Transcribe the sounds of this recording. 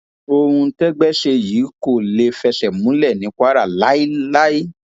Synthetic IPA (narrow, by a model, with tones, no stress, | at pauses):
o˧hũ˧˦tɛ˦ɡ͡bɛ˦ʃe˧jiː˨˦ko˦˨le˧fɛ˧ʃɛ˨mũ˨˦lɛ˦˨nĩ˨˦kʷa˦ɾa˦˨la˨˦i˦la˦i˦